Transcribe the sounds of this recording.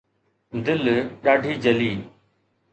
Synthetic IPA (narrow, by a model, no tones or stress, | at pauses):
d̪ɪlɗaːɖʱiːd͡ʑɐliː